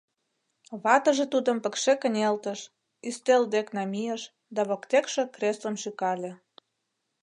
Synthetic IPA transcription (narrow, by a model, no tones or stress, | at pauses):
βɑt̪ə̆ʒĕt̪ud̪ə̆mpə̆kʃekə̆nʲelt̪əʃ | yst̪eld̪eknɑmʲijəʃ | d̪ɑβokt̪ekʃĕkrʲeslə̆mʃykɑlʲĕ